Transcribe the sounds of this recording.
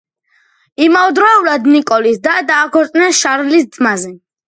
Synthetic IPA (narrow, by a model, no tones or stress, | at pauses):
imaud̪ɾɔuɾad̪nikʼɔlisd̪ad̪aːkʰɔɾt̪ʼnɛnʃaɾlisd̪zmazɛ